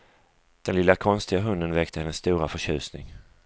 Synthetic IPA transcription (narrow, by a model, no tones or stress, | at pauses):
d̪̥ɛnlɪlːakʰɔnst̪ɪɡaɦɵnd̪ənvɛkt̪əhɛnːəsːt̪uːɾafœʂɕʉ̟̰ːsnɪ̰ŋ